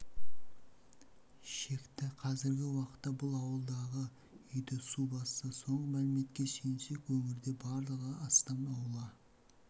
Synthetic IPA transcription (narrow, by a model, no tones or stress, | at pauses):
ʃe̞kt̪ɪqʰɑzɪɾɡʲɪwɑqə̥t̪ːɑbʊlˠɑwəlˠd̪ɑʁə | ʏjd̪ɪsubɑssəso̞ɴʁəmælɪme̞t̪kʲe̞ʃenʃe̞kwɵŋɪɾd̪e̞bɑɾlˠəʁəɑst̪ɑnɑwəlˠɑ